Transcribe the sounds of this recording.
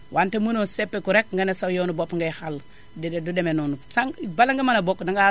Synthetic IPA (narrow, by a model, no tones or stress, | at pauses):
wʔantemunosepːekuɾekŋɡanesawjonubopŋɡehal | didedudemenonusaŋbalaŋɡemanabokdaŋɡa